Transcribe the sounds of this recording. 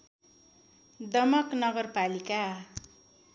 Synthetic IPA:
d̪ʌmʌknʌɡʌrpalika

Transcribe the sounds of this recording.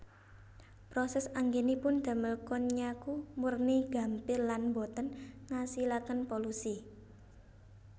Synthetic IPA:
pɾɔsɛsaŋɡenipʊnd̪̥a̤məlkɔnɲakumurniɡ̥a̤mpɪrlanbot̪ənŋasilakənpolusi

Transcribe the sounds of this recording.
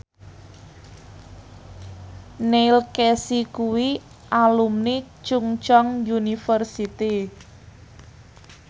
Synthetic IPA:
nelkesikuwi | ʔalumni | t͡ʃuŋt͡ʃɔŋjunifərsit̪i

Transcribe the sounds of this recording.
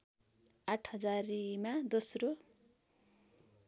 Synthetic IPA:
aʈʰɦʌd͡zaɾimad͡zosro

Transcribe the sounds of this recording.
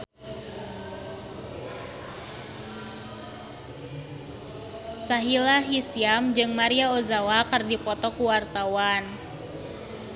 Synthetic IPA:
saɦilaɦisiamd͡ʒɨŋmaɾiaozawakɨrdipɔt̪ɔkuwart̪awan

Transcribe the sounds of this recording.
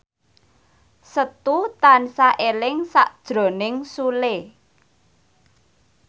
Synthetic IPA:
sət̪ut̪ansaʔelɪŋsaʔd̥ʒ̥ɾo̤nɪŋsule

